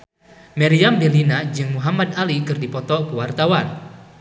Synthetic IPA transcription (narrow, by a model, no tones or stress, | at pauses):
mɛɾiamdelinad͡ʒɨŋmuɦamad̪alikɨrdipɔt̪ɔkəwart̪awan